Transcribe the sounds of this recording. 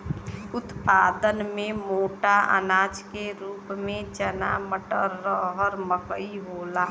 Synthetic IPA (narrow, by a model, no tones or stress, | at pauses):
ʊt̪paːd̪ənmẽmoːʈaʔə̰naːd͡ʒkeɾuːpmẽt͡ʃənaməʈəɾːəɦəɾməkəiɦoːlaː